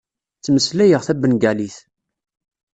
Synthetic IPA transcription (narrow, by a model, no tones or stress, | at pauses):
t͡sːməslæjəʁθæbːənɡæliθ